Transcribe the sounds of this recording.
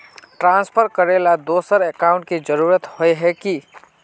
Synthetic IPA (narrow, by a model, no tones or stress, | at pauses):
ʈɾãnspʰəɾkəɾelad̪osəɾekaʊ̃ɳʈ̚ked͡ʒəɾuɾət̪hojɦɛki